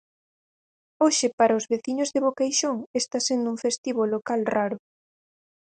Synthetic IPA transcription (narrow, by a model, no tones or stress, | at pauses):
oʃɪpaɾaozβeθiɲozðeβokejʃoŋest̪asend̪ʊuŋfest̪iβolokalraɾʊ